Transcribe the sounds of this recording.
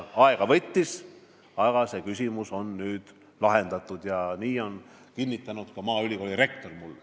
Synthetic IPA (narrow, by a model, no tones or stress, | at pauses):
ɑeɡ̥ɑvɤt̪ʲːis | ɑɡ̥ɑse̞kysʲimuso̞nːyːd̪̥ | lɑɦe̞nd̪̥ɑt̪ːˑud̪̥jɑniːo̞n | kinːit̪ːˑɑnud̪̥kɑmɑːylʲiko̞ːlʲiɾe̞k̚t̪o̞rmulː